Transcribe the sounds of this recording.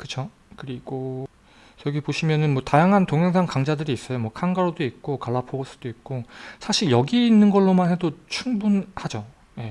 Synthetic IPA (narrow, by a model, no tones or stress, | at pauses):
kɯt͡ɕʰo | kɯɾiɡ̥o | jʌɡipoɕʰimjʌnɯnmwʌtajaŋɦantoŋɦjʌŋsʰankaŋd͡ʑadɯɾiːs͈ʌjomwʌkʰanɡaɾodoik̚k͈okaɭːapʰoɡos͈ɯ̥d̥oik̚k͈osʰaɕʰiɭjʌɡiːnːɯnɡʌɭːomanɦe̞dot͡ɕʰuŋbunhad͡ʑo | je̞